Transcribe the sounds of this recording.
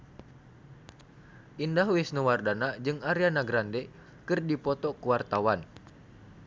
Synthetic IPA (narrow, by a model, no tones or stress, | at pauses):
ʔindaɦwisnuwardanad͡ʒɨŋaɾianaɡɾandɛ | kɨrdipɔt̪ɔkuwart̪awan